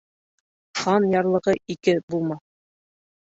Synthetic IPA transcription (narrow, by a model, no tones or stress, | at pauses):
χɑnjɑɾlˠɤ̆ʁɤʔikɘbulˠmɑθ